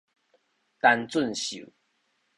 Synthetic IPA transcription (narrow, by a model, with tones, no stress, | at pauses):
t̪a˦nt͡swə˥˨nɕṵ˨˦